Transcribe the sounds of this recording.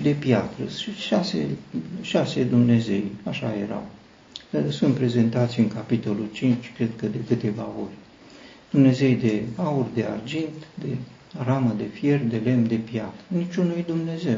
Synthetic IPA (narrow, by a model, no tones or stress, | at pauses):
d̪e̞pjat̪ɾəiʃasḛʃase̞d̪umne̞ze̞jaʃaje̞̰ɾa̰w | əsunt̪̚pɾe̞ze̞nt̪at̪sʲɨŋkapit̪o̞lult͡ʃint͡ʃʲkɾe̞d̪̚kəd̪e̞kɨt̪e̞vao̞rʲ | d̪̥umne̞ze̞jd̪e̞aurʲd̪e̞a̰rd͡ʒint̪d̪e̞ | aɾaməd̪e̞fje̞rd̪e̞le̞md̪e̞pjat̪ɾənit͡ʃʲunujd̪umne̞ze̞w